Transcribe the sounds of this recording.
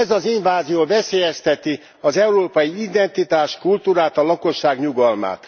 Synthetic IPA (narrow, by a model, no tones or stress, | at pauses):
ɛzɒziɱvaːzijoːvɛseːjɛst̪ɛt̪i | ɒzɛuɾoːpɒjiid̪ɛnt̪it̪aːʃkult̪uːɾaːt̪ɒlɒko̞ʃːaːɡɲuɡɒlma̰ːt̪